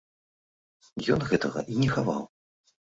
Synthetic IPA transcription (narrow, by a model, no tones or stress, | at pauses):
jɔnɣɛt̪ɐɣɐ̰ʔinʲɛxava̰w